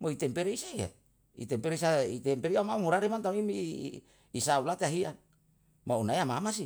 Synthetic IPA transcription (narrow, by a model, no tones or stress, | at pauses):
moit̪empeɾeisaa̰ | ḭt̪empeɾeisait̪empeɾiamaumuɾaɾimant̪amimiː | saulat̪eaɦian | maunaeamamasi